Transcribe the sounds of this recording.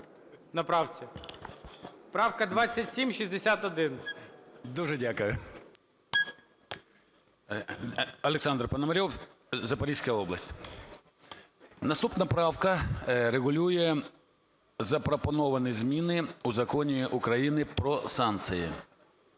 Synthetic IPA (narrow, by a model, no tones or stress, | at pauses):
nɐpɾɑwt͡sʲi | pɾɑwkɐd̪ʋɑt͡sʲːɐtʲsʲimʃizʲd̪esʲat̪ɔd̪ɪn | d̪uʒɛdʲakʊjʊ | ɐlˠeksɑnd̪rpɐnɐmɐɾʲɔw | zɐpɐɾʲisʲkɐjɔblˠɐsʲtʲ | nɐst̪upnɐpɾɑwkɐɾeɣʊlʲujɛ | zɐpɾɔpɔnɔʋɐnɪzʲmʲinɪuzɐkɔnʲiʔʊkɾɐjinɪpɾɔsɑnt̪sɨjḭ